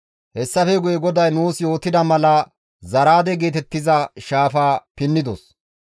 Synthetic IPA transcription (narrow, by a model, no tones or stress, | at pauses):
hɛsːɐfɛɡʊjɛɡɔd̪ɐjnuːsjo̞ːt̪ːɪd̪ɐmɐlɐ | zɐɾaːd̪ɛɡe̞ːt̪ɛt̪ːɪzɐʃaːfaːpɪnːɪd̪ɔs